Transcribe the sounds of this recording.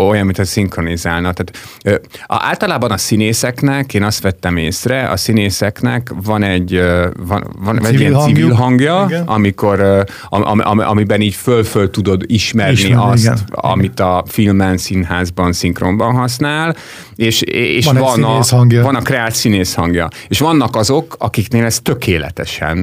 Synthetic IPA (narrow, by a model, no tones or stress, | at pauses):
ojɒmːint̪ɒsiŋkro̞nizaːlnɒt̪aːt̪ø̰ːa̰ːlt̪ɒlaːbɒnɒsineːsɛknɛkeːnɒst̪ʋɛt̪ːɛmeːsrɛʔɒ̰sineːsɛknɛ̰kvɒnɛɟːøvɒnvɒnɛɟijɛnsivilɦɒŋɡjɒɒmiko̞ɾø | ɒʔɒ̰mʔɒ̰mɒ̰mibɛniːɟfølfølt̪ud̪o̞d̪iʃmɛrniɒst̪ɒ̰mit̪ɒfilmɛnsinɦaːzbɒnsiŋkrombɒnɦɒsnaːl | eːʃḛːʃvɒnŋɡjʋɒnɒkrɛaːt̪sineːshɒŋɡjɒeːʃʋɒnːɒkɒzo̞kɒkikneːlɛst̪ø̞keːlɛ̰t̪ɛʃɛ̰n